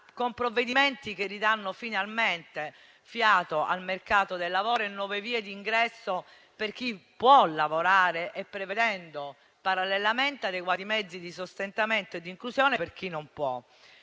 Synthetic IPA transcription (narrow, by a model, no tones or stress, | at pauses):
kompɾovːed̪iment̪ikerːid̪anːofinalment̪e | fjaːt̪oʔa̰lmerkaːt̪od̪elːavɔːɾenːwɔveviːed̪iŋɡɾɛsːo | perk̟ipːwɔlːavoɾaːɾeʔepːɾeved̪ɛnd̪o | paɾalːelːament̪ead̪ekwat̪imɛd̪zːid̪isost̪ent̪ament̪oed̪ːiŋklusjɔːnepeɾk̟inːompwɔ